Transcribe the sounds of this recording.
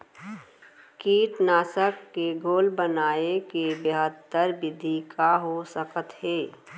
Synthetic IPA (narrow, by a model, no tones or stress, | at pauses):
kiːʈnaːsəkːeɡoːlbənaːekebeɦət̪ːəɾbɪd̪ʱikaɦosəkət̪ɦeː